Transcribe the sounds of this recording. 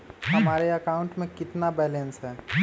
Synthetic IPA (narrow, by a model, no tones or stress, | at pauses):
ɦɐmaːɾeəkaːʊ̃ɳʈmẽkɪt̪nabɛːlensɦɛː